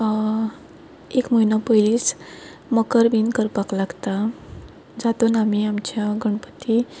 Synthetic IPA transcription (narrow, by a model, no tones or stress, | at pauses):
ekməinapəilis | məkəɾbinkəɾpaklaɡt̪a | d͡zat̪onamiamt͡ɕjaɡəɳ̃pə̥t̪ːi